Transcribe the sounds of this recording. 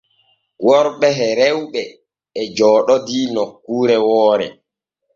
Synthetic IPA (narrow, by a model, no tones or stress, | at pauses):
wɔɾɓɛɦɛɾɛwɓɛ | ɛd͡ʒɔːɗɔdiːnɔkːuːɾɛwɔːɾɛ̰